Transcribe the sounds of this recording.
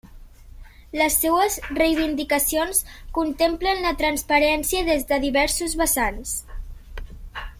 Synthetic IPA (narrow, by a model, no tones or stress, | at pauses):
ləsːewəzrejβind̪ikəsionskunt̪emplənlət̪ɾənspəɾɛnsiəðezðəðiβɛɾsuzβəsans